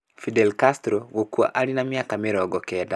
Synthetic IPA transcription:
fidɛlkastɾoɡokua̰ʔaɾinamiakamiɾɔɡɔkɛda

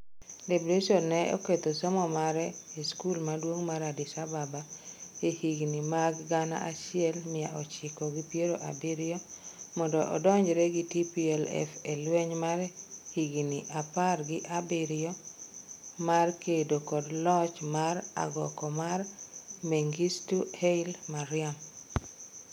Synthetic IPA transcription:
debulesonːɛo̰ket̪osɔmɔmaɾɛiskulmadwoŋmaɾadɪsababaehiɡnimaɡːana̰ʔaʃɪɛlmɪjaʔɔt͡ʃɪkɔɡipjeɾoʔa̰bɪɾɪɔmɔndɔʔɔ̰dɔɲd͡ʒɾɛɡitipiɛlɛ̰felweɲmarhiɡniʔaparɡɪʔabiɾɪɔ | markedokɔdlɔt͡ʃmaɾa̰ɡɔkɔmarmeŋɡistuheilmaɾɪam

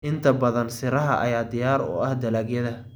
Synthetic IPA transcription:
ʔɪnt̪ʰɐbɐðɐnsɪɾɐɦɐʔɐ̰jaːd̪ɪjaːɾɔ̰ːɐhd̪ɐlaːɡjɐðɐ

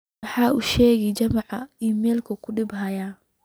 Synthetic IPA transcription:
ħɑːuʃɛːɣɛjt͡ʃɐmɑʕɑiːmɛːlkʰɐkʰʊɖɪbɦɐja

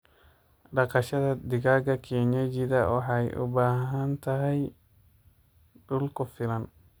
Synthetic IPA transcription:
ɖɐqɑʃɐðɐd̪ɪɣaːɡɐkʰɛːɲɐd͡ʒɪðɐwɑħɑjʔʊ̰baːɦɦɐnt̪ʰɐɦɛj | ɖʊlkʰʊfɪlɐn

